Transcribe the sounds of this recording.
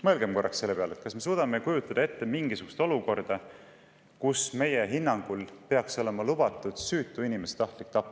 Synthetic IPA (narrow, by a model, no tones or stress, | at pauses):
mɤlɡ̥emko̞rːɑ̰kse̞lːe̞peɑlet̪kɑsme̞suːd̪̥ɑmekujut̪ːˑɑd̪̥ɑe̞t̪ːe̞miŋɡisuɡust̪o̞luko̞rd̪̥ɑ | kusme̞je̞ɦinːɑŋɡ̥ulpe̞ɑkso̞le̞mɑlub̥ɑt̪ːˑud̪̥syːt̪ːˑuinimese̥t̪ɑht̪lik̚t̪ɑpːˑ